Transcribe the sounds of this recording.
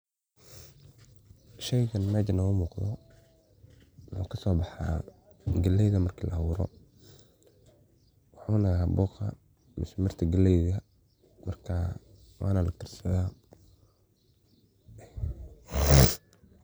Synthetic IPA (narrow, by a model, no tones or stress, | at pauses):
ʃɛjɣɐnmaːt͡ʃɐnɐʊmuːqðɔ | nɔ̰kʰɐsɔːbɑħa̰ː | ɡɐlɛjðɐmɐrkʰilʔɐwʊːɾɔ̰ | wɑħuːnɐaːbɔːqɐ̰ | mɪsmɪrt̪ʰɐɡɐlɛjðɐ | mɐrkʰa | wɑ̰ːnɐlɐt̪ʰɪrsɐðaː